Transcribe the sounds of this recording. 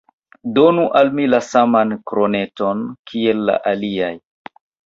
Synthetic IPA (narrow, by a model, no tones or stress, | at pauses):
do̞nuʔalmilasamankɾone̞to̞nkʰielːa̰ʔaliaj